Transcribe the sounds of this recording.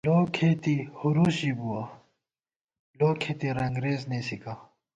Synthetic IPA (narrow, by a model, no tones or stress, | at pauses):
lokʰet̪ihuɾusibuwa | loːkʰet̪iɾɐŋɡɾeːznesika